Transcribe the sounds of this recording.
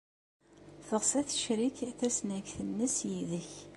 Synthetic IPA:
θəʁsæθə̥ʃɾiçθæsnæɡθənːəsjiðəç

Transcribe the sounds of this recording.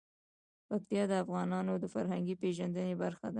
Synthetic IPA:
pak̚t̪ijɑd̪əafɣɑnɑnod̪əfaɾɦaŋɡipeʒand̪ənebaɾxad̪a

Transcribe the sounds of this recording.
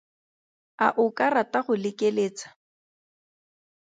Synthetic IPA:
aʔʊkʼarataχʊlɪkʼeleːt͡sḁ

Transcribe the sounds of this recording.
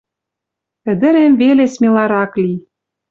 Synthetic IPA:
ɘ̆d̪ɘ̆ɾemvelesmʲelɑɾɑkli

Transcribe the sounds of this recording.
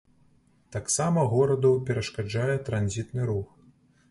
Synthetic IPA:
t̪aksamɐɣɔɾɐd̪ɐwpʲɛɾɐʂkad͡ʐajɛt̪ɾanzʲit̪nɨɾux

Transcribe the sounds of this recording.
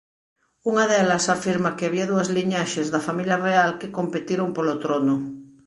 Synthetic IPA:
uŋaðelasafiɾmakeaβiaðuazliɲaʃezðafamiljarealkekompet̪iɾompolot̪ɾono

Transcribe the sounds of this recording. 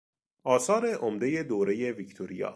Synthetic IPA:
ʔɒːsɒːɾe̞ʔomd̪eje̞d̪oːɾe̞je̞vict̪ʰoɾijɒ̰ː

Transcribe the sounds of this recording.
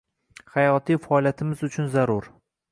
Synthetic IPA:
hajɒt̪ʰijfɒlˠjat̪ʰɪmɪzʊt͡ʃʰʊnzaɾʊɾ

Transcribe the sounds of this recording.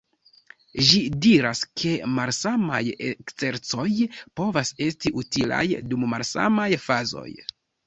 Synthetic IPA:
ʒidiɾaskʰe̞malsama̰jekt͡se̞ɾt͡so̞jpo̞vase̞stiʔutila̰jdumːalsa̰majfazo̞̰j

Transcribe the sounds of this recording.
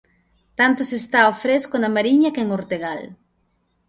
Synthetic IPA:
t̪ant̪ʊsest̪aofɾeskonamaɾiɲɐkeŋoɾt̪eɣal

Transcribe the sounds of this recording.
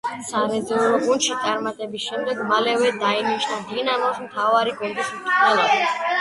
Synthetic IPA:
saɾɛd̪zɛluɾɔɡund̪ʃit̪ʼaɾmat̪ʼɛbisʃɛmd̪ɛɡmalɛvɛd̪ainiʃnad̪inamɔsmt̪ʰavaɾikʼwɛnd̪ʼisuɛlˠadi

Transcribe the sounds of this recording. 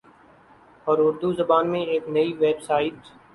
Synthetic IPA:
ɔːɾʊɾd̪uzəbaːnmẽeːknəiʋeːbsaːɪʈ

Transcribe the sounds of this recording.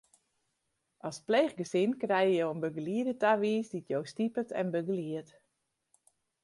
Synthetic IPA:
ʔɔspleːχɡəsɪnkrɛjəjowənbøɡəliədətaʋiːsditʰjowstipətʰɛ̰nbøɡəliət

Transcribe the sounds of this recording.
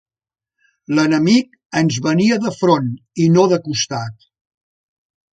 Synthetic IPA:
lənəmik | ənzβəniəðəfɾoninoðəkust̪at̪̚

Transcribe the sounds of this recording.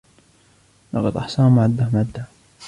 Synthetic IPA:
lɑqɑd̪ʔɑħsˤɑːmʊʕad̪ːamad̪ːa

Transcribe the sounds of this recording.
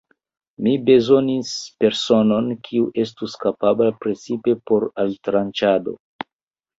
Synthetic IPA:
mibe̞zo̞nispe̞ɾso̞no̞nkʰiuʔe̞s̬tuskapablapɾe̞t͡sipe̞po̞ɾaltɾant͡ʃado̞̰

